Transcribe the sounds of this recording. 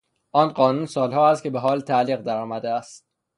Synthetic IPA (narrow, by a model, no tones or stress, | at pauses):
ʔɒːnɢɒːnuːnsɒːlhɒːæst̪̚cʰebeɦɒːlt̪ʰæʔliːɣd̪æɾɒːmæd̪eæst̪̚